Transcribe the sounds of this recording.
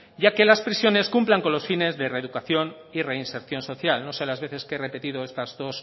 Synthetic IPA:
ɟ͡ʝake̞laspɾisjo̞ne̞skumplaŋko̞nlo̞sfine̞zðereðukaθjo̞n | ire̞inse̞ɾθjo̞nso̞θjalno̞se̞lazβe̞θe̞skeere̞pe̞t̪iðoest̪azðo̞s

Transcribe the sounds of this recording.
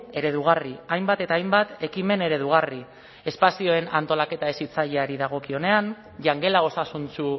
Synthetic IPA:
e̞ɾe̞ðuɣ̞ariajmbat̪e̞t̪aːjmbat̪e̞kime̞ne̞ɾe̞ðuɣ̞ari | e̞spasio̞e̞nant̪o̞lake̞t̪aesit͡saʎe̞aɾiðaɣ̞o̞kio̞ne̞an | ʝaŋɡe̞lao̞sasunsu

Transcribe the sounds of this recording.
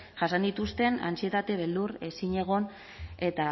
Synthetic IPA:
ʝasand̪it̪ust̪e̞na̰nt͡sie̞t̪at̪e̞β̞e̞ld̪uɾe̞siɲe̞ɣ̞o̞n | e̞t̪a

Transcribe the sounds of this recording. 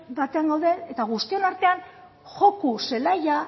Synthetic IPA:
bat̪e̞aŋɡawðe̞ːt̪aɣ̞ust̪io̞naɾt̪e̞an | xo̞kuse̞laja

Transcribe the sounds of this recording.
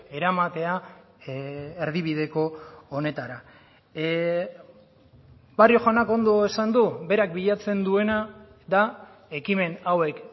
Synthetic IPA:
e̞ɾamat̪e̞a | eɾðiβið̞e̞ko̞ːne̞t̪aɾa | barioxanako̞nd̪o̞esand̪ube̞ɾak̚biʎat͡se̞nd̪ue̞na | d̪a | e̞kime̞nawe̞k

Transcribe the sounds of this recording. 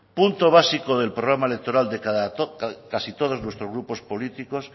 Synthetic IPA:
punt̪oβ̞asikoðe̞lpɾoɣ̞ɾamaele̞k̚t̪o̞ɾald̪e̞kaðakasit̪oð̞o̞znwe̞st̪ɾozɣɾupo̞spo̞lit̪iko̞s

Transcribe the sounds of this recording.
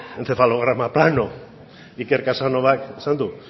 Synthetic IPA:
ent͡sefaloɣɾamaplano̞ | ikeɾkasano̞βakesand̪u

